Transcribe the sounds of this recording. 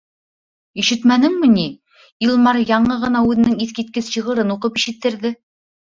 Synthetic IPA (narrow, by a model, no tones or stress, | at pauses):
iʃɘ̆t̪mænɘŋmɘ̆ni | ilˠmɑɾjɑɴɤʁɤ̆nɑʉðɘ̆nɘŋiθkit̪̚kɘsɕɤ̆ʁɤ̆ɾɤnuqɤpiʃɘ̆t̪ːɘ̆ɾðɘ